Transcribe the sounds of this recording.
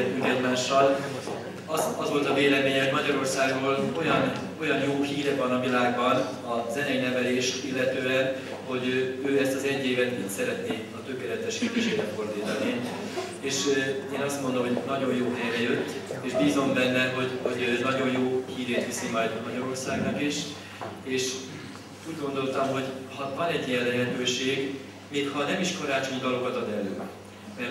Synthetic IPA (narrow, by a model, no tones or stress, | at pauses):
ɛt̪ːyŋkɛɟmaːʃːɒl | ɒzɒzʋo̞lt̪ɒveːlɛmeːɲɛɦo̞ɟmɒɟɒɾo̞rsaːɡroːlo̞jɒn | o̞jɒnjoːhiːɾɛvɒnɒvilaːɡbɒn | ɒzɛnɛinɛvɛleːʃt̪ilːɛt̪øːɛn | ho̞ɟøːɛst̪ɒzɛɟːeːvɛt̪iːt̪sɛɾɛt̪ni | ɒt̪økeːlɛt̪ɛʃepiʃeːɾɛfo̞rd̪iːt̪ɒni | eːʃeːnɒst̪mond̪omɦo̞ɟnɒɟo̞jjoːt̪ɛrɛjøt̪ːeːʃbiːzo̞mbɛnːɛɦo̞ɟho̞ɟnɒɟo̞j̪joːhiːɾeːt̪ʋisimɒjd̪mɒɟɒɾo̞rsaːɡnɒkiʃ | eːʃ | uːɟɡo̞nd̪o̞lt̪ɒmɦo̞ɟhɒvɒnɛɟːijɛllːɛɦɛt̪øːʃeːɡ | meːkhɒnɛmiʃkoɾaːt͡ʃo̞ɲd̪ɒlo̞kɒt̪ɒd̪ɛlø̰ː | mɛ